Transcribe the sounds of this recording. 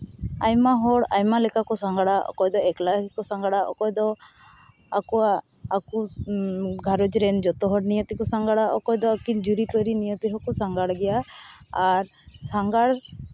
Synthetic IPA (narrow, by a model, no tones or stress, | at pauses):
ajmaɦɔɽajmalɛkakɔsaŋɡaɽaʔɔ̰kɔjd̪ɔɛklakkɔsaŋɡaɽaʔɔ̰kɔjd̪ɔ | akɔaː | ku | ɡʱaɾɔd͡ʒɾɛnd͡ʒɔt̪ɔɦɔɽnijət̪ikɔsaŋɡaɽaʔɔkɔjd̪ɔːkind͡ʒuɾipəɾinijət̪iɦɔkɔsaŋɡaɽɡɛjaː | ɾ | saŋɡaɽ